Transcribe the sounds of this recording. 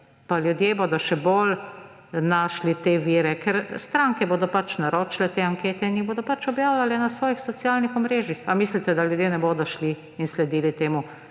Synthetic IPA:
paljud̪jeːboːd̪ɔʃɛbol | naːʃlit̪eːʋiːɾɛkɛɾst̪ɾaːŋkɛboːd̪ɔpat͡ʃnaɾoːt͡ʃlɛt̪eːaŋkeːt̪ɛiniboːd̪ɔpat͡ʃɔbjaːwlalɛnasʋɔːjixsɔt̪sijaːlnixɔmɾeːʒjixamislit̪ɛd̪aljud̪jenɛboːd̪ɔʃli | inslɛd̪iːlit̪eːmu

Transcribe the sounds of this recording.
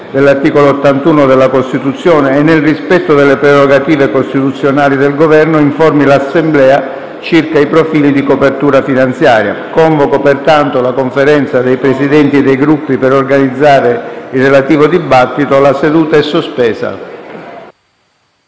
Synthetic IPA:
d̪elːart̪iːkoloːt̪ːant̪uːnod̪elːakost̪it̪ut̪sːjɔːneːnːelrispɛt̪ːod̪elːepɾɛɾoɡat̪iːvekost̪it̪ut̪sːjonaːlid̪elɡovɛrnoiɱfɔrmilasːemblɛːa | t͡ʃirkaipɾofiːlid̪ikopert̪uːɾafinant̪sjaːɾja̰kɔɱvokopert̪ant̪olakoɱfeɾɛnt̪sad̪ejpɾesid̪ɛnt̪ied̪ejɡɾupːipeɾorɡanid̪zːaːɾeirːelat̪iːvod̪ibat̪ːit̪oalased̪uːt̪aɛsːospɛːsa̰

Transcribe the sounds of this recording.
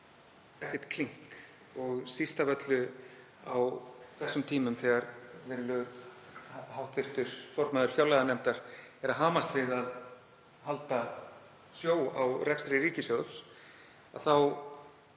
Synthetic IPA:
ɛhcɛ̥t̪kʰliŋ̥k | ɔɣsist̪avœt̪lʏ | awθɛsːʏmt̪ʰiːmʏmθɛɣaɾvɪɾlʏ | hawht̪θɪft̪ʏɾ̥fɔɾmaðʏɾ̥fjawlɛjðanɛmt̪aɾ̥ɛɾaðɦaːmast̪vɪðað | halt̪a | sjoːwa̰wrɛkst̪ɾɪɾiːcɪsœɣs | a̰ðθaw

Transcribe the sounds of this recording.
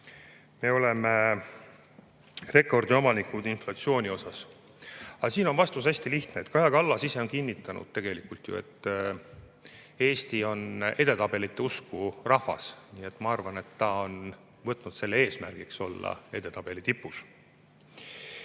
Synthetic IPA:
me̞o̞leme | re̞kːˑo̞rd̪io̞mɑnikud̪̥inflɑt̪sio̞ːnʲio̞sɑs | ɑsiːno̞nvɑst̪us̬æsʲt̪iliçt̪neːt̪kɑjɑkɑlːɑsise̞o̞nkinʲːit̪ːˑɑnṵd̪̥̚t̪e̞ɡ̥e̞likult̪jṵe̞̰t̪ːˑ | e̞ːst̪io̞ne̞d̪̥e̞t̪ɑb̥e̞lit̪ːe̞uskurɑhvɑ̰sniːe̞t̪ːˑmɑɑrvɑne̞t̪ːɑo̞n | vɤt̪ːˑnud̪se̞lːee̞ːsmærɡ̥ikso̞lːɑ̰e̞d̪e̞t̪ɑb̥e̞lit̪ipːˑus

